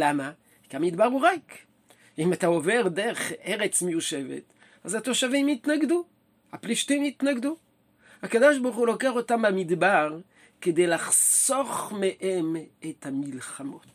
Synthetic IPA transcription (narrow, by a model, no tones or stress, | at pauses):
lama | kamid̪baʁuʁak | imat̪aoveʁd̪eʁeχeʁet͡smejuʃevḛt̪ | azat̪oʃavimit̪naɡd̪u | hapliʃt̪imit̪naɡd̪u | hakad̪oʃboʁχulokeaχotambamid̪baʁ | ked̪ejlaχsoχmeʔemet̪hamilχamot